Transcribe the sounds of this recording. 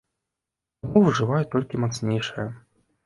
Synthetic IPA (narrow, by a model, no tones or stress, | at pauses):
amuvʐɨvajɛt̪ɔlʲkʲimat̪snʲejʂɨjɐ